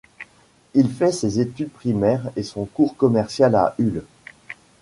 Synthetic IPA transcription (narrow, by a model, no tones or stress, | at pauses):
ilfɛsezet̪yd̪̚pχimɛʁesɔ̃kuʁkɔmɛʁsjala̰ʔyl